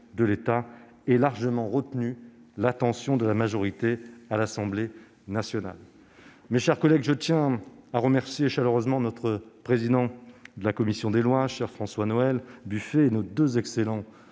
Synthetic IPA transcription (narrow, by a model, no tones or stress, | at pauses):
d̪əlet̪a | ɛlaʁʒəmɑ̃ʁət̪nylat̪ɑ̃sjɔ̃d̪əlamaʒɔʁit̪ealasɑ̃ble | nasjɔna̰l | meʃɛʁkɔlɛɡʒət̪jɛ̃aʁəmɛʁsjeʃaløʁøzmɑ̃nɔt̪χəpχezid̪ɑ̃d̪əlakɔmisjɔ̃d̪elwaʃɛʁfχɑ̃swanɔɛlbyfeːnod̪øzɛkselɑ̃